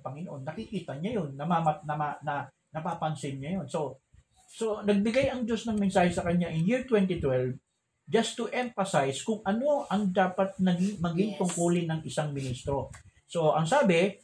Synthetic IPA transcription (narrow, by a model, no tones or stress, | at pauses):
pɐŋɪnoʔo̞nːɐkikiːt̪ɐɲajonːɐmamanɐmanɐ | nɐpapɐnsɪnɲajo̞nso̞ | so̞nɐɡ̚bɪɡajɐŋd͡ʒo̞snɐŋmɪnsaːhɛsɐkɐɲːaʔɪnjɪɹt̪wɛnt̪ɪt̪wɛlv | d͡ʒɐst̪ʊʔɛɱfɐsajskʊŋʔɐno̞ʔɐŋd̪aːpɐt̪̚nɐɡɪŋmɐɡɪŋt̪ʊŋkuːlɪnɐŋʔɪsaŋmɪnist̪ɾo̞ | so̞ʔɐŋsaːbɪ